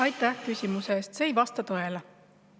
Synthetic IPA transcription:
ɑjt̪ːˑæhkysʲimuse̞ːst̪se̞ːjvɑst̪ɑt̪ɤe̞le

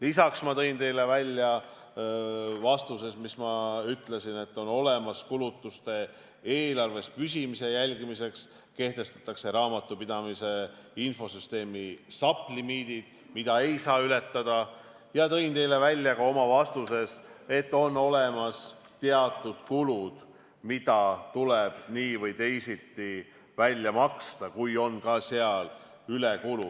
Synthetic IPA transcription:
lisɑksmɑt̪ɤ̞jnt̪e̞jle̞vælʲːjɑ | vɑst̪use̞smismɑyt̪le̞sine̞t̪ːo̞no̞le̞mɑskulut̪ːˑust̪e̞ | eːlɑrve̞spys̬ʲimise̞jælʲɡimise̞ks | ke̞ht̪e̞st̪ɑ̥t̪ːˑɑkse̞ɾɑːmɑt̪ːˑupid̪̥ɑmise̞info̞syst̪e̞ːmisɑpˑlimiːd̪̥id̪̥ | mid̪ɑe̞jsɑːyle̞t̪ːɑd̪̥ɑ | jɑt̪ɤ̞jnt̪e̞jle̞vælʲːjɑkɑo̞mɑvɑst̪use̞se̞t̪ːo̞nːo̞le̞mɑs | t̪eɑt̪ːˑud̪̥kulud̪̥ | mid̪ɑt̪uleb̥niːvɤjt̪e̞jsit̪ːi | vælʲːjɑmɑkst̪ɑkujo̞nkɑseɑl | ylekulu

